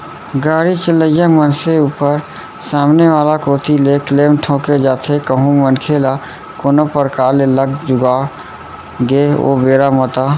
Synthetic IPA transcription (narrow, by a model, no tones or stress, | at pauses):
ɡaːɾit͡ʃələjamənseuːpəɾ | saːmneʋaːlakoːt̪ʰilekleːmʈʰõːked͡ʒaːt̪ʰekəɦũmənkʰeːla | kʊnəpəɾkaːɾleləɡd͡ʒʊɡa | ɡeo̰ːbeːɾamət̪aː